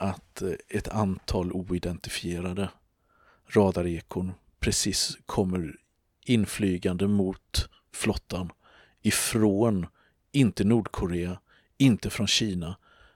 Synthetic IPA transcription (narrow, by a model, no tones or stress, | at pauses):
ʔat̪ɛt̪ʰa̰nt̪ʰɑːluːɪd̪ɛnt̪ɪfɪeːɾad̪ə | ɾɑːd̪aɾeːkʰʊɳ | pʰɾɛsiskʰɔmːəɾ | ɪnːflyːɡand̪əmʊt̪ | flɔt̪ʰːan | ɪfɾoːn | ɪnt̪ənuːɖkʰʊɾeːa | ɪnt̪əfɾɔnɕiːna